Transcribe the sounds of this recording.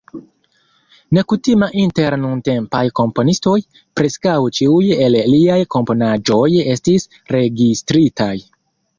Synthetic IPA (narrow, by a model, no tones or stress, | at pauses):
ne̞kutimaʔinte̞ɾnunte̞mpajko̞mpo̞nisto̞j | pɾe̞skawt͡ʃiuje̞lliajko̞mpo̞nad͡ʒo̞je̞stis | ɾe̞ɡistɾitaj